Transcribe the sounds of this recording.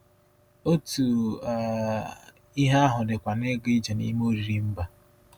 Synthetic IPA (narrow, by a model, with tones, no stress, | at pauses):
o˦tu˨a˨ | i˦ɦa˦a˦ɦʊ˨dɪ˨kʷa˨ne˦ɡi˦d͡ʒe˨nḭ˦mo˦ɾi˨ɾi˦m̩˦ba˨